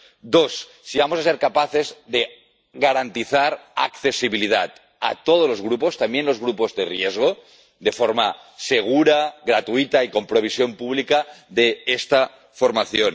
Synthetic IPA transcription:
d̪o̞sː | iβamosaseɾkapaθe̞zðe | ɣaɾant̪iθaɾa̰kθesiβilið̞at̪̚ | a̰t̪oð̞ozlo̞zɣɾupo̞st̪ambjenlo̞zɣɾupo̞zðe̞rjezɣ̞o | d̪e̞foɾma | se̞ɣ̞uɾaɣɾat̪uit̪aiko̞mpɾo̞β̞isjo̞mpuβlikaðeest̪a | foɾmaθjon

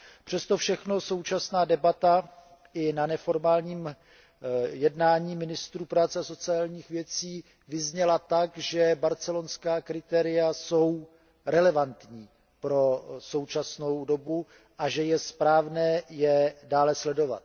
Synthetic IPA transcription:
pr̥ɛst̪o̞fʃɛxno̞so̞wt͡ʃasnaːdɛbat̪a | ʔɪnanɛfo̞ɾmaːlɲiːm | jɛdnaːɲiːmɪnɪst̪ɾuːpɾaːt͡sɛaso̞t͡sɪaːlɲiːxvjɛt͡siː | vɪzɲɛlat̪akʒɛbaɾt͡sɛlo̞nskaːkɾɪt̪ɛːɾɪjaso̞w | ɾɛlɛvant̪ɲiː | pɾo̞so̞wt͡ʃasno̞wdobu | ʔaʒɛjɛspɾaːvnɛːjɛdaːlɛslɛdo̞va̰t̪̚

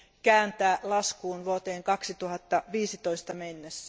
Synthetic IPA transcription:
kæːnt̪æːlɑskuːnʋuot̪eːŋkɑksit̪uhɑt̪ːɑʋiːsit̪oist̪ɑmenːesːæ

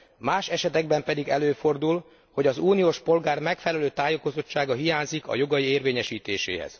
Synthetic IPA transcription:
maːʃɛʃɛt̪ɛɡbɛmpɛd̪iɡɛløːfo̞rd̪ul | ho̞ɟɒzuːnijoːʃpo̞lɡaːrmɛkfɛlɛløːt̪aːjoko̞zo̞t͡ʃːaːɡɒɦijaːɲzikɒ̰jo̞ɡɒjieːrveːɲɛʃiːt̪eːʃḛːɦɛ̰z̥

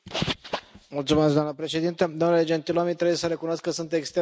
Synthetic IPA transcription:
mult̪sume̞sɡd̪oamnəpɾe̞ʃed̪int̪əd̪omnuled͡ʒe̞nt̪iloomit̪ɾebujesəɾe̞kunoskːəsunt̪e̞kst̪e

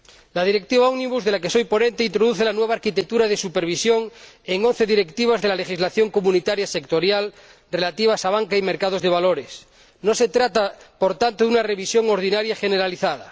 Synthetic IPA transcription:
laðiɾek̚t̪iβaoɣniβuzðe̞lake̞so̞jpo̞nẽ̞nt̪eint̪ɾoðuθelanweβaːɾkit̪ek̚t̪uɾaðesupeɾβ̞isjoŋ | eŋo̞n̟θe̞ðiɾe̞kt̪iβ̞azðelale̞xizlaθjo̞ŋkomunit̪aɾjasekt̪o̞ɾjal | re̞lat̪iβ̞asaβ̞aŋkaime̞ɾkað̞o̞zðe̞βaloɾes | no̞se̞t̪ɾat̪apo̞ɾt̪ant̪oðunareβisjo̞ŋo̞ɾð̞inaɾjaxeneɾaliθaða

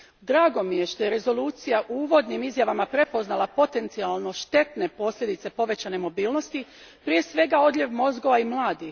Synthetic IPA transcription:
d̪ɾaːɡo̞mije̞ʃt̪oje̞ɾe̞zo̞luːt̪sijaʔuuːʋo̞d̪nimizjaʋamapɾe̞po̞znalˠapo̞t̪e̞nt̪sialˠno̞ʃt̪e̞t̪ne̞po̞slʎʲe̞d̪it̪se̞po̞ʋe̞t͡ɕane̞mo̞biːlˠno̞st̪i | pɾije̞sʋe̞ɡao̞d̪ʎʲeʋmo̞zɡo̞ʋaimlˠaːd̪i

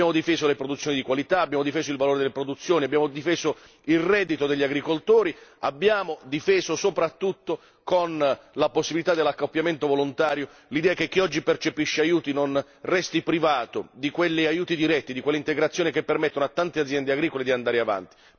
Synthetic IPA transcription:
jaːmod̪ifeːzolepɾod̪ut̪sjonid̪ikwalit̪aːbːjaːmod̪ifeːzoilvaloːɾed̪elːepɾod̪ut̪sːjoːniabːjaːmod̪ifeːzo | ilrɛd̪it̪od̪eʎːaɡɾikolt̪oːɾia̰bːjaːmod̪ifeːzosopɾat̪ːut̪ːo | konlaposːibilit̪ad̪ːelːakːopːjament̪ovolont̪aːɾjo | lid̪ɛːak̟ekːiɔd͡ʒːipert͡ʃepiʃːeajuːt̪inon | rɛst̪ipɾivaːt̪od̪ikwelːiajuːt̪id̪iɾɛt̪ːid̪ikwelːeint̪eɡɾat̪sːjoːnikepːermɛt̪ːonoat̪ːant̪ead̪zːjɛnd̪eaɡɾiːkoled̪iand̪aːɾeava̰nt̪i̥

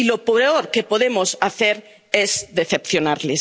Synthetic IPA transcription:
ilo̞poeoɾkepo̞ðemosaθeɾ | ezðeθe̞pθjonaɾle

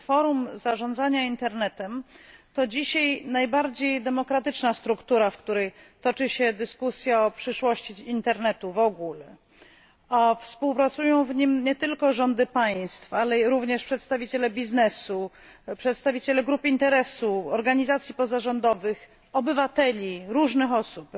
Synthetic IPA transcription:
fɔɾumzaʐɔ̃nd̪zaɲaint̪ɛɾnɛt̪ɛmt̪ɔd͡ʑiɕajnajbaɾd͡ʑejd̪ɛmɔkɾat̪ɘt͡ʂnast̪ɾukt̪uɾafkt̪uɾɛjt̪ɔt͡ʂɘɕɛd̪ɘskusʲjaɔpʂɘʂwɔɕt͡ɕiint̪ɛɾnɛt̪uvɔɡulɛ | afspuwpɾat̪sujɔ̃w̃vɲimɲɛt̪ɘlkɔʐɔnd̪ɘpaj̃st̪falɛɾuvɲɛʂpʂɛt̪st̪avʲit͡ɕɛlɛbʲiznɛsu | pʂɛt̪st̪avʲit͡ɕɛlɛɡɾupɘint̪ɛɾɛsuɔɾɡaɲizat̪sʲjipɔzaʐɔnd̪ɔvɘx | ɔbɘvat̪ɛlʲiɾuʐnɘxɔsup

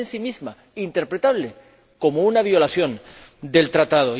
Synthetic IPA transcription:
nsimizma | int̪e̞ɾpɾet̪aβ̞le̞ | ko̞mounaβ̞jo̞laθjo̞nd̪e̞lt̪ɾat̪að̞o

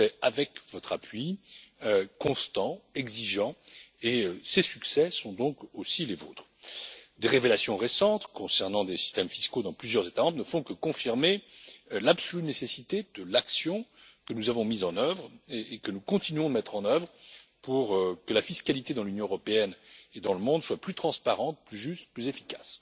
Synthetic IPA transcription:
ɛavɛkvɔt̪χapʰɥiøkɔ̃st̪ɑ̃ɛɡziʒɑ̃eøsesyksɛsɔ̃d̪ɔ̃kosilezo̰ːt̪χ | d̪eʁevelasjɔ̃ʁesɑ̃t̪kɔ̃sɛʁnɑ̃d̪esi̥st̪ɛmfiskod̪ɑ̃plyzjœʁzet̪amɑ̃bʁnəfɔ̃kəkɔ̃fiʁmelapsɔlynesesit̪ed̪əlaksjɔ̃kənuzavɔ̃mizɑ̃nœvʁeekənukɔ̃t̪inɥɔ̃d̪əmɛt̪χɑ̃nœvʁpuʁkəlafiskalit̪ed̪ɑ̃lynjɔ̃øʁɔpeɛned̪ɑ̃ləmɔ̃d̪swaplyt̪χɑ̃spaʁɑ̃t̪̚plyʒyst̪plyzefi̥ka̰s

